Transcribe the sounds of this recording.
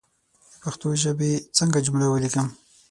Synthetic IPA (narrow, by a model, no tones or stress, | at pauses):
d̪əpaxt̪oʒəbet͡səŋɡad͡ʒʊmɽawəlikəm